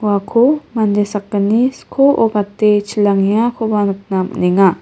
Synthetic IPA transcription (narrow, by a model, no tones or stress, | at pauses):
wakʰomand̪esakːaniskʰoʔobat̪et͡ʃʰilaŋjakʰobanuk̚nam̰niŋa